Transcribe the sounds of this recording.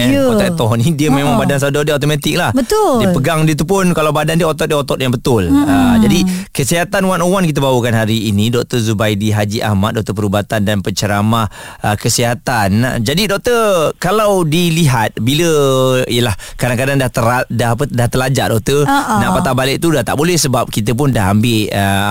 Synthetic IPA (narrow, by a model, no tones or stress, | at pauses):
ɛɔt̪aʔt̪ɔhnidiəmẽmãŋbadans̬adɔdiəat̪omat̪ɪk̚lahbət̪ʊdiəpəɡaŋdiət̪̬upʊnkalawbadandiəot̪ɔt̪̚diəot̪ɔt̪̚jaŋbət̪ʊləd͡ʒadikəsiɦat̪anwanowank̬it̪̬abawukanɦaɾiːnidɔk̚t̪əzubajdiɦad͡ʒiʔa̰hma̰t̪̚dɔʔ̚t̪əpəɾubat̪andanpəɲt͡ʃəɾamah | əkəsiɦat̪and͡ʒadidɔk̚t̪ərkalawdiliɦat̪̚biləijəlahkadaŋkadaŋdat̪əɾadaɦapədaht̪əlad͡ʒa̰ʔdɔk̚t̪ənaʔpat̪abalɪʔt̪udaht̪aʔbolɛhsəbap̚kit̪əp̬ʊndaɦambɪʔə